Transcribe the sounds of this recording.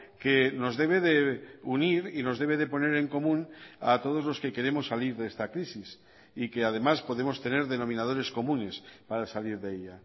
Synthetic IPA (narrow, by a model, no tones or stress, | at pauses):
keno̞zðe̞β̞e̞ðeuniɾino̞zðe̞β̞e̞ðe̞po̞ne̞ɾe̞ŋko̞mũna̰t̪o̞ð̞ozlo̞ske̞ke̞ɾe̞mo̞sːaliɾðest̪akɾisis | ikeað̞e̞maspo̞ðe̞mo̞st̪e̞ne̞ɾðeno̞mĩnað̞o̞ɾe̞sko̞mũne̞spaɾasaliɾðeeʎa